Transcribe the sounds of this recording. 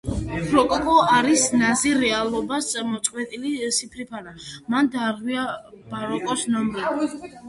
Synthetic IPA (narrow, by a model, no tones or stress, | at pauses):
pʰɾɔkʼɔkʼɔaɾisnaziɾɛalˠɔbast̪sʼamɔt̪sʼqʼwɛt̪ʼilisipʰɾipʰanamand̪aːɾʁwia | b̥aɾɔkʼɔsnɔmɾii